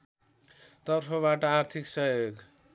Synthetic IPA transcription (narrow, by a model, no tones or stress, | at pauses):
t̪ʌrpʰʌβaʈʌart̪ʰiksʌjoɡ